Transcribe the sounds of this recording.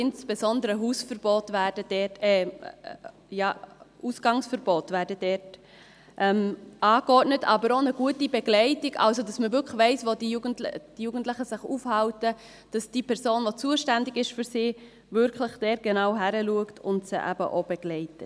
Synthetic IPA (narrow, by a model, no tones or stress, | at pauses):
ɪnsb̥esɔndəɾəɦuːsfəɾb̥oːtʋæːɾd̥ədɛtɛ | jɑːusɡ̥ɑŋsfəɾb̥oːtvæːɾdəd̥ɛːt | ʔɛmɑːkɔɾtnətʰɑbəɾonəɡ̥uətibeɡ̥lɛɪtiɡɑ̰lsodɑsməvʏɾkχʋɛɪsʋodijuɡəntld̥ijuːɡ̥ən̩tləχəsɪχufhɑwtə | d̥ɑsd̥iːpʰɛɾsoːnʋot͡suəʃtændɪɡɪʃfyɾsiː | vʏɾkʰləχdɛːɾɡ̥enɑʊɦæɾəluəktʰʊntsə̰ʔæ̰bə̰ʔob̥eɡ̥lɛɪtət